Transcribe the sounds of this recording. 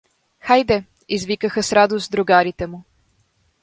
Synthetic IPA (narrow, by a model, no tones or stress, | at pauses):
xajd̪ɛ | izvikəxəsɾad̪ost̪d̪ɾʊɡaɾit̪ɛmʊ